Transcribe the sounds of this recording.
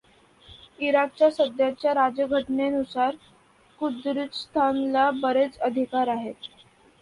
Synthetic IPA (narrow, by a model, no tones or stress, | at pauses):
iɾak̚t͡ɕjasəd̪jat͡ɕjaɾad͡ʑəɡʱəʈnenusaɾ | kud̪ɾit̪st̪ʰanlabəɾet͡səd̪ʱikaɾaɦet̪̚